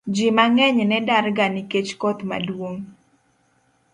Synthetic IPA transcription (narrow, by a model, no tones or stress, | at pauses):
d͡ʒimaŋɛɲnɛdaɾɡaniket͡ʃkɔt̪ma̰dwoŋ